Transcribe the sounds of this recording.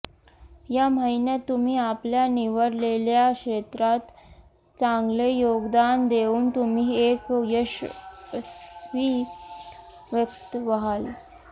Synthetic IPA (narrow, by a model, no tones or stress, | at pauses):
jaməinjat̪ːum̤iːapljaniʋəɾleljakɕet̪ɾat̪ | t͡saŋɡlejoɡd̪and̪euːnt̪um̤iːekjəɕ | sʋi | ʋjəkt̪ʋəɦal